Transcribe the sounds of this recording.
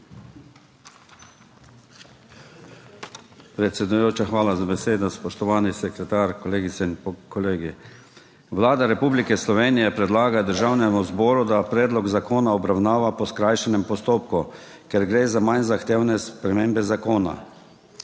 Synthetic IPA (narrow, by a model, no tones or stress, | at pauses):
pɾɛt̪sʲɛd̪ujoːt͡ʃaxʋaːlazabɛseːd̪ɔspɔʃt̪ɔʋaːnisɛkɾɛt̪aɾkɔleːɡit̪sɛinpkɔleːɡi | ʋlaːd̪aɾɛpublikɛslɔʋeːnijɛpɾɛd̪laːɡad̪əɾʒaːwnɛmuzbɔːɾud̪apɾɛːd̪lɔɡzakoːnaɔbɾawnaːʋapɔskɾajʃɛnɛmpɔst̪oːp̚ku | kɛɾɡɾeːzamajnzaxt̪eːwnɛspɾɛmeːmbɛzakoːna̰